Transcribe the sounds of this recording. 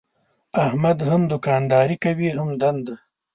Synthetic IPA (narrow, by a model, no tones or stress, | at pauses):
ahmad̪hamd̪ʊkɑːnd̪ɑːɾikawiɦamd̪and̪